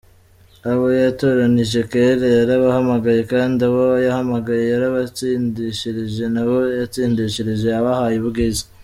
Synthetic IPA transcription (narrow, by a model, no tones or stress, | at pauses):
aβo̞jato̞ɾaniʒe̞keɾejaɾaβahamaɡaje̞kaːndiaβojahamaɡaje̞jaɾaβat͡siːndiʃiɾiʒe̞naβo̞jat͡siːndiʃiɾiʒe̞aβahajiβuɡizi